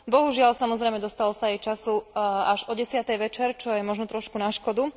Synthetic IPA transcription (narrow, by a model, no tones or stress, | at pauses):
bɔɦuʒɪalsamɔzɾɛjmɛd̪ɔst̪alɔsaːɛjt͡ʃasuaʒɔɟɛsɪat̪ɛjʋɛt͡ʃɛɾt͡ʃɔjɛmɔʒnɔt̪ɾɔʃkunaʃkɔd̪u